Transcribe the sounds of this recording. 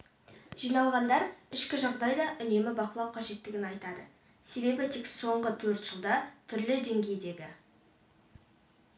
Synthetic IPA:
ʒ̥ijnɑlˠʁɑnd̪ɑɾɪʃkʲɪʒɑʁd̪ɑjd̪ɑʔʏne̞mɪbɑqəlˠɑwqʰɑʒe̞t̪ːɪɡʲɪnɑjt̪ɑd̪ə | se̞be̞bɪt̪ʰekso̞ɴʁət̪ʰɵɾt̪ʒ̥əlˠd̪ɑt̪ʰʏɾlɪd̪e̞ŋɡʲe̞jd̪e̞ɡʲɪ

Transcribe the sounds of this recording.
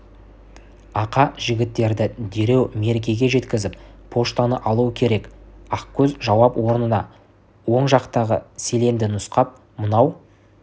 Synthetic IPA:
ɑqɑʒɪɡʲɪt̪ːe̞ɾd̪ɪd̪e̞ɾe̞wme̞ɾɡʲeɡʲe̞ʒe̞t̪kʲɪzɪpːʰo̞ʃt̪ɑnəʔɑlˠuwəkʲʰe̞ɾe̞kɑqkʲʰɵzʒɑwɑpwʔo̞ɾənənɑ | wo̞ɴʒɑqt̪ɑʁəse̞le̞nd̪ɪnʊsqɑp̚ | mənɑw

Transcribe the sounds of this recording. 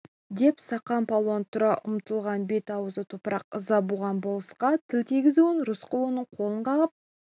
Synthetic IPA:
d̪e̞psɑqɑmpʰɑlˠont̪ʰʊɾɑʔʊ̰mt̪əlˠʁɑnbe̞t̪ɑwəzət̪ʰopəɾɑq̚zɑbuʁɑnbolˠəsqɑt̪ʰɪlt̪ʰiɡʲɪzuɪnɾʊsqəlˠonəɴqʰo̞lˠəɴqʰɑʁəp̚

